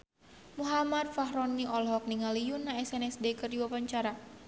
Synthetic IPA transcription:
muɦamat̪̚faɦɾɔnːiʔɔlɦɔk̚niŋalijunːaɛsɛnɛsdekərdiwapaɲt͡ʃaɾa

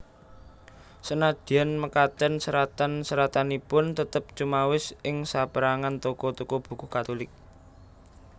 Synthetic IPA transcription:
sənad̪̥ianməkat̪ənsəɾat̪ansəɾat̪anipʊnt̪ət̪əp̚t͡ʃumawɪsʔɪŋsapəɾaŋant̪okɔt̪ukɔb̥ṳkṳhkat̪olɪk̚

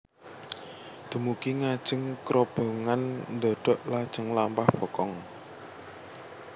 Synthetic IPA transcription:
d̪̥ə̤mukiŋḁʒ̥ə̤ŋkɾob̥o̤ŋannd̪ɔɖ̥ɔ̤ʔlad̥ʒ̥əŋlampahb̥ɔ̤kɔŋ

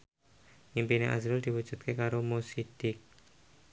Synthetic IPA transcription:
nimpineʔa̰zɾʊld̪̥iwud̥ʒ̥ṳt̪̚kekaɾomosid̪̥ɪk̚

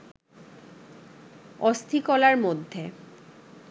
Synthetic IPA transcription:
ɔst̪ʰikɔlaɾmod̪ʱːe

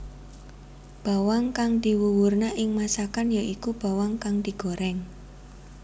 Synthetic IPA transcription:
b̥a̤waŋkaŋd̪̥i̤wuwurnaʔɪŋmasakanjaʔikub̥a̤waŋkaŋd̪̥i̤ɡ̥o̤ɾɛŋ

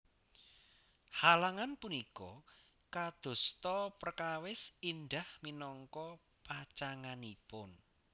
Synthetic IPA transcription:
halaŋanpunikɔ | kad̪̥o̤st̪ɔpərkawɪsinɖ̪ahminɔŋkɔ | pat͡ʃaŋanipʊn

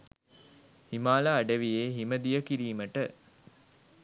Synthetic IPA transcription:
himaːlaːɖəʋijeːɦiməd̪ijəkiɾiːməʈə

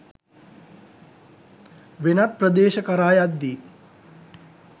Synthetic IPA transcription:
ʋenɐt̪̚prɐd̪eːʃɐkɐɾaːjad̪ːiː

